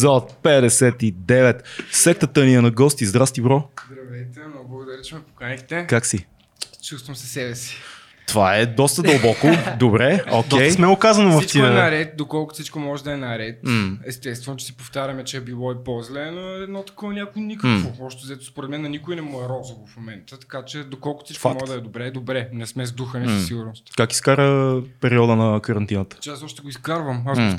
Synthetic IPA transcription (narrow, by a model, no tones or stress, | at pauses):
zɐot̪̚pɛd̪ɛsɛt̪id̪ɛvɛt̪fsɛk̚t̪ət̪əniənɐɡɔst̪izd̪ɾast̪ibɾɔzd̪ɾɐvɛt̪ɛmnɔɡʊblˠɐɡʊd̪ɐɾʲit͡ʃɛmɛpokanixt̪ɛkaksi | t͡ʃust̪vɐmsɛ̥sɛbɛsi̥ | t̪ovaɛd̪ɔst̪əd̪əlˠbɔkʊd̪obɾɛokʲɛj̪mɛʊkazɐnʊvɐfsit͡ʃ̪t̪iɛnɐɾɛt̪̚d̪okɔlˠkʊ̥fsit͡ʃkomɔʒɛd̪ɐɛnɐɾɛt̪ɛst̪ɛst̪vɛnʊt͡ʃɛ̥sipoft̪aɾʲɐmɛt͡ʃɛbilˠɔipozlɛnoɛd̪nɔt̪ɐ̥kɔnʲjakʊinʲikəkvoɔʃt̪ɛzɛt̪ʊ̥spoɾɛt̪mɛnɛnikʊinɛmoɛɾɔzovofmomɛnt̪ət̪ɐ̥kat͡ʃɛd̪okɔlˠkʊ̥sikfakmɔt̪d̪ɐɛd̪obɾɛd̪obɾɛnɛsmɛzd̪uxənɛsɐsiɡʊɾnʊst̪kaki̥skaɾəpɛɾiɔd̪ənɐkɐɾɐnt̪inət̪ə̥t͡ʃɛasɔʃt̪ɛɡoiskaɾvəmasɡ